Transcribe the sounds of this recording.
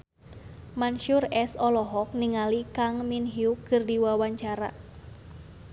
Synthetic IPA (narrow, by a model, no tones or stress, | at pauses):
manʃʊrɛsɔlɔɦɔk̚niŋalikaŋminɦiukɨrdiwawaɲt͡ʃaɾa̰